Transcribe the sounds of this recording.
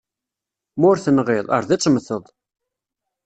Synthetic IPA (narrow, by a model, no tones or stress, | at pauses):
mʊɾθənʁɪðˤə̰ɾˤðit͡sˤːməθəðˤ